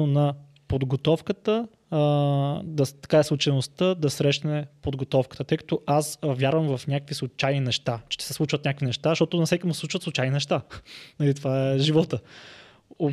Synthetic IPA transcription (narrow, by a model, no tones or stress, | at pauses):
onɐ | pod̪ɡot̪ɔfkət̪ə | d̪ɐt̪ɐ̥kaɛslˠʊt͡ʃɐjnost̪əd̪ɐsɾɛʃnɛpod̪ɡot̪ɔfkət̪ət̪ɤjkɐ̥t̪oʔasvʲjaɾvəmvɐfnʲakəkvislˠʊt͡ʃajninɛʃt̪at͡ʃɛ̥ʃt̪ɛ̥sɛslˠut͡ʃvət̪nʲakvinɛʃt̪azʃt̪ɔt̪ʊnɐsɛkʲimusɛsˠut͡ʃvət̪slˠʊt͡ʃajninɛʃt̪anɐlit̪ovaɛʒivɔt̪ə | o